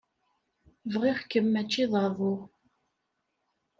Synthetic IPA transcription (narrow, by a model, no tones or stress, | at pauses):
vʁiχkəmːæt͡ʃːiðˤɑɾðˤo